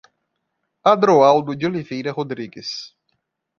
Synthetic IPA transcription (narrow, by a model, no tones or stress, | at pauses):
ad̪ɾoawd̪ʊd͡ʒolivejɾɐɦod̪ɾiɡɪs